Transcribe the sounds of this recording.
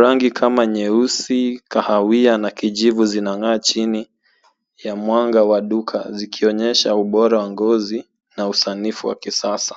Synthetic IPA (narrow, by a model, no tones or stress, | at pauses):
ɾaŋɡikʰamaɲɛusikahawianakiʄivuzinaŋaːt͡ʃini | jamwaŋɡawaɗukʰa̰zikʰiɔɲɛʃauɓɔɾawaŋɡɔzi | nausanifuwa̰kisasḁ